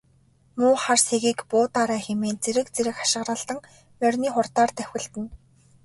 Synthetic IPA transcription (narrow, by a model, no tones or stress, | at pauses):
mʊːχarseɣiːkpʊːt̪aɾæːxemeːnt͡seɾɘ̆kt͡seɾɘ̆xḁʃɪ̆ʁrə̆ɮt̪ə̆ŋ | mœrʲniːχʊrt̪aːrt̪æw̥ʲɪ̆ɮt̪ɘ̆n